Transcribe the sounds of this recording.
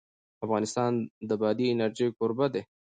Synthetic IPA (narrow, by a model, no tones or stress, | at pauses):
afɣɑnɪst̪ɑnd̪əbɑd̪iɪnaɾʒejkoɾbad̪e